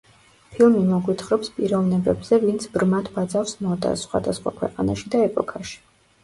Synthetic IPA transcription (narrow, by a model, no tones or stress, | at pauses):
pʰilˠmimɔɡwit̪ʰχɾɔpspʼiɾɔvnɛbɛbzɛvint̪sʰbɾmat̪vad̪zafsmɔd̪a̰sχwa̰d̪asχwa̰kʰwɛqʼanaʃid̪aɛpʼɔkʰaʃi̥